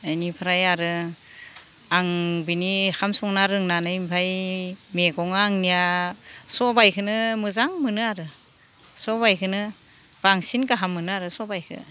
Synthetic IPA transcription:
ɯjnipʰɯɾajaɾɯ | aŋbinihamsɔŋnaɾɯŋnanɯimpʰajmeɡɔŋaːŋnijasɔbajkʰɯnɯmɯzaŋmɯnɯaɾɯ | sɔbajkʰɯnɯ | b̥aŋsinkaɦamːɯnɯaɾɯsɔbajkʰɯ̰

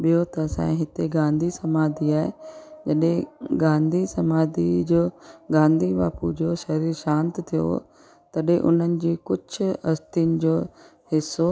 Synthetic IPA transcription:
ɓijot̪ɐsã̰ːĩɦɪt̪eɡãːnd̪ʱisɐmaːd̪ʱiaːɦed͡ʑɐɗɦẽɡãːnd̪ʱisɐmaːd̪ʱid͡ʑoːɡãːnd̪ʱiʋa̰ːpṵd͡ʑoːʃɐɾiːɾʃãːnt̪t̪ʰijo̰ | t̪ɐɗɦẽʔʊ̰n̤ənɪ̆d͡ʑiːkʊd͡ʑʊɐst̪inɪ̆d͡ʑoː | hɪsːo

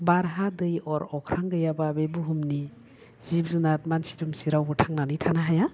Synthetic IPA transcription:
baɾɦadɯjɔɾɔkʰɾaŋɡɯjababebuɦumni | z̥ib̚zunat̚mansi̥tumsiɾawbɔtʰaŋnanitʰanaɦaja

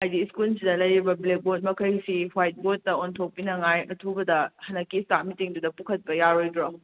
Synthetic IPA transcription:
ajdiskulsidɐlɐjɾibɐblek̚bot̚mɐkʰɐjsihwajt̚bot̚ːɐontʰok̚pinɐŋajɐtʰubɐdɐhɐnɐkːistamitiŋdudɐpukʰɐt̚pɐjaɾojdɾo

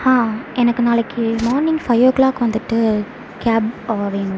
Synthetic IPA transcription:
hãːʔɛnɐkːɯnaːlɐkːɯmaːɾnɪŋɡfɐɪʋɐklaːkːɯʋɐnd̪ɯʈːɯ | kaːboʋeːnɡɐ

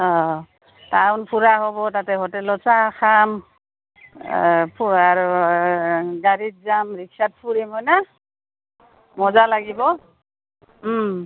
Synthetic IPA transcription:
ɔ | taʊnpʰuɹaɦɔbɔtatɛɦɔtɛlɔsaxam | pʰuaɹu | ɡaɹit̚zamɹiksat̚pʰuɹimɦɔjna | mɔzalaɡibɔ

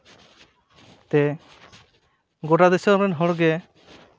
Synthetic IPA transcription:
t̪ɛ | ɡoʈad̪ɛsɔɾmɛnɦɔɽɡɛ

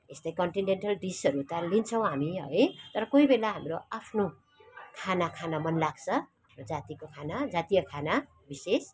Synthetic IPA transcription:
est̪ʌjkʌɳʈineɳʈʌlɖisʌɾut̪ʌlint͡sʰʌ̃w̃ɦamiɦʌ̰jt̪ʌɾʌkoibelaɦamroapʰno | kʰanakʰanamʌnlaɡt͡sʰʌaprod͡zat̪ikokʰanad͡zat̪ijʌkʰana | bises

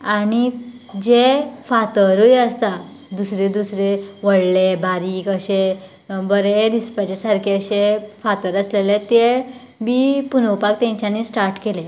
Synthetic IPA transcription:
aɽ̃id͡ʑefat̪əɾujəst̪a | d̪usɾed̪usɾeʋəɽlebaɾiːkəɕe | bəɾeɾispat͡ɕesaɾkʰeəɕefat̪əɾəslelet̪e | bipunowpakt̪ẽɲt͡ɕanisʈaɾʈkele

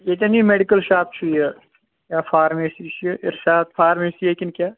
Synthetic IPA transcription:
jet̪enĩmeːɖɪkəlʃaːp̚t͡ʃʰuje | jaːfʰaːɾmeːsiʃʔɪ̰ɾʃaːd̪fʰaːɾmeːsieːkɪnkjaː

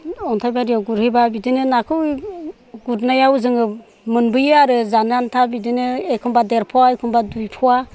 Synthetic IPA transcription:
ɔntʰajbaɾijaɡuɾhebabidinɯnakʰɯw | ɡuɾnajawzɯŋɯ | mɯnbɯjɯaɾɯzanantʰabidinɯekʰɯmbadeɾpʰɔwaekʰɯmbadujpʰɔwa

